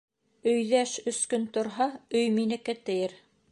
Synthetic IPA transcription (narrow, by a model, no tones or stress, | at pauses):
ɵ̆jðæʃɵ̆skɵnt̪ŏɾɦɑɵjminɘ̆kæt̪ɘ̆jɘɾ